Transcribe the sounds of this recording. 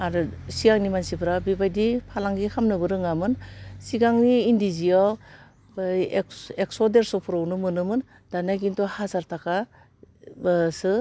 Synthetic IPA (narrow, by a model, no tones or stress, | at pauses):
aɾɯsiɡaŋnimansibʰɾabibajdipʰalaŋɡikʰamnɯbɯɾɯŋamɯnsiɡaŋniːndiziaw | eksɔdeɾsɔpʰɯɾownɯmɯnɯmɯn | d̥anaɡintɔhazaɾtʰakʰa | sɯ